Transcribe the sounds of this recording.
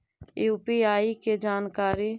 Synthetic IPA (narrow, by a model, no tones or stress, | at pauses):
upiaːiked͡ʒaːnkaːɾiː